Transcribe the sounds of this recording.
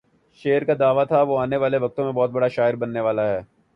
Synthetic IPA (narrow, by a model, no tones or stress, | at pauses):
ʃeːəɾkad̪aːʋat̪ʰaʋoaːneʋaːleʋɐk̚t̪õmẽbɔːt̪̚bɐɽaʃaːɪɾbɐnːeʋaːlaɦɛː